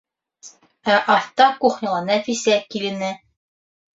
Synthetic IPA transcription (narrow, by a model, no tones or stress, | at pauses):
æʔɑθt̪ɑkuχnʲɤ̆lˠɑnæfisækilɘ̆nɘ